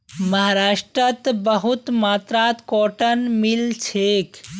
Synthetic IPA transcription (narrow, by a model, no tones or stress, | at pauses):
məɦaɾaʂʈɾət̪bəɦut̪mat̪ɾat̪koʈənmilt͡ʃʰek